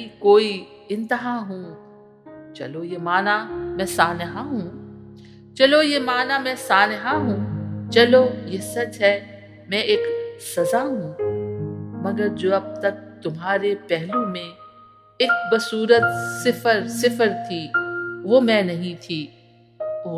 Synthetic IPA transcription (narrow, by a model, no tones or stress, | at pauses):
ikoːi | ɪ̃nt̪əɦaɦũː | t͡ʃɐ̰lojemaːnamɛ̃ːsaːnɪɦaɦũː | t͡ʃɐlojemaːnamɛ̃saːnɪɦaɦũːt͡ʃɐlojeːsɐt͡ʃɦɛ | mɛ̃eːksɐzaɦũː | mɐɡəɾd͡ʒoːɐb̚t̪ɐk̚t̪ʊmɦaːɾepɛɦlõmẽ | eːk̚bɐsuːɾət̪sɪfəɾsɪfəɾt̪ʰiːʋomɛ̃nɐɦĩt̪ʰiː | o